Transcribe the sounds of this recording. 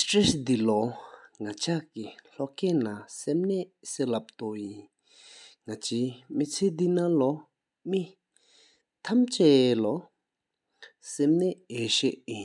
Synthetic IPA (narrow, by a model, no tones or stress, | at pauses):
stɹɛsd̪ilɔŋat͡ɕʰaʔkiɬɔʔkɛːnasemnɛʔselap̚t̪ojin | ŋat͡ɕʰiːmit͡sʰed̪inalɔ | mi | t̪ʰamt͡ɕɛːlɔ | semnɛeːɕeʔji